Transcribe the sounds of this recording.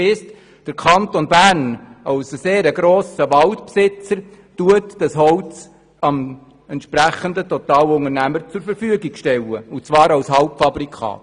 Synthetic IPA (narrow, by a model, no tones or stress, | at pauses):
ɪst | d̥əɾkʰɑnt̪onbæɾnɑwsseːɾəɡɾoːsəʋɑltpsɪt͡səɾ | tuətd̥ɑsɦɔwt͡s | ɑm | ɛntʃpɾæχəndətɔt̪ɑːlʊŋəɾnæməɾt͡sʊɾfəɾfyəɡiɡʃtɛləut͡sʋɑːɾɑwshɑwpfɑbɾikʰɑ̰ːt